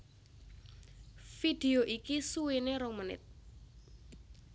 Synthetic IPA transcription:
fid̪̥eoʔikisuweneɾɔŋmənɪ̰t̪̚

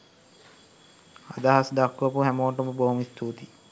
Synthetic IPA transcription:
ad̪aɦasd̪akʋɐpuɦæmoːʈuməboɦumist̪ʰuːt̪i

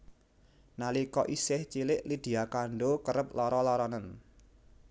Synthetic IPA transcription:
nalikɔʔisɪht͡ʃilɪʔlid̪̥i̤akaɳɖokəɾəp̚lɔɾɔlɔɾɔnən

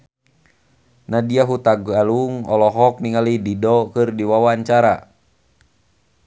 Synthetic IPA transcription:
nadiaɦut̪aɡaluŋɔlɔɦɔk̚niŋalididɔkɨrdiwawaɲt͡ʃaɾa

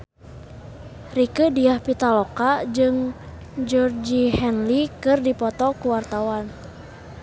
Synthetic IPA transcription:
rikədiahpit̪alɔkad͡ʒɨŋ | d͡ʒɔrd͡ʒihɛnlikɨrdipɔt̪ɔkuwart̪awan

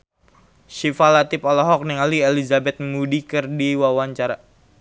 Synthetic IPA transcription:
ʃifalat̪ipɔlɔɦɔk̚niŋalielizabɛt̪̚mudikərdiwawaɲt͡ʃaɾa

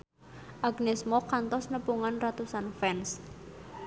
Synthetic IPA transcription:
ʔaɡnɛsmɔkant̪ɔsnəpuŋanrat̪usanfɛns

